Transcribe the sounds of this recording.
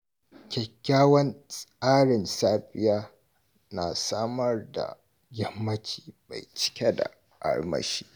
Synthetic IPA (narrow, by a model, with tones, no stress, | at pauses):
kʲɛ˨kʲːaː˦wɐ˦nsʼaː˦ɽɪ˨nsaː˦ɸɪ˦jaː˦ | na˨saː˦mɐ˦rda̰˨ | ɡʲɐ˦mːɐ˦t͡ʃi̥ː˨ba˨jt͡ʃɪ̥˦kʲe˦da̰˨ | ʔa̰˦ɽmɐ̰˨ʃiː˦